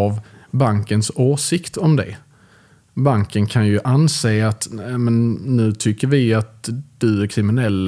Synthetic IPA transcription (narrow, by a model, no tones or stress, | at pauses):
avbaŋkənsoːʂɪkt̪ɔmd̪ɛ̰ | baŋkənkʰanjɵʔanseːat̪amɛnːʉ̟ːt̪ʰʏkːəɾvɪat̪̚d̪̥ɵæɾkʰɾɪmɪnɛlː